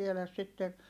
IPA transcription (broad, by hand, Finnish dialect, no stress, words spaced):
tielæs sitːe